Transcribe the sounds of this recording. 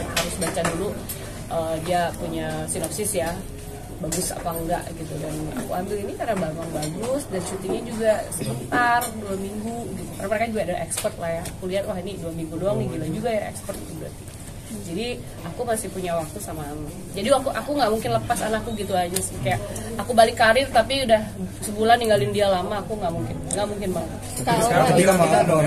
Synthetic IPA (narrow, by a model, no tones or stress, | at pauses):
haɾʊsbat͡ʃadulu | ʔədiapuɲasinɔpsɪsja | baɡʊsa̰paŋɡa̰ʔɡit̪udana̰kuambɪlinikarnabamaŋbaɡʊsdant͡ʃut̪iŋɲad͡ʒuɡasəbənt̪arduamiŋɡuɡit̪ukaɾnaməɾekad͡ʒuɡaːdaaʔɛkspərt̪̚lahjaakuliɦat̪̚laɦiniduamiŋɡudoaŋdiŋilad͡ʒuɡajaɛ̰kspɔrt̪it̪ubəɾa̰t̪̚ | d͡ʒadi | akumasɪhpuɲawak̚t̪usamaːnak̚d͡ʒadiakuʔakuŋɡaʔmuŋkɪnləpasanakuɡit̪uad͡ʒaskajaʔakubalɪkaɾɪrt̪apiudahsəbulanːiŋɡalɪndialamaːkuŋɡaʔmuŋkɪnŋɡaʔmuŋkɪnba | aiaaado